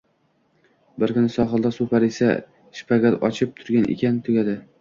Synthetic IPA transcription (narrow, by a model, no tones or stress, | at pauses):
bɪɾkʲʊnɪsɒχɨlˠd̪asʊpʰaɾesa̰ | ʃpʰaɡat̪ɒt͡ʃʰɪp̚t̪ʰʊɾɡʲanʔḛkʲant̪ʰʊɡʲad̪ɪ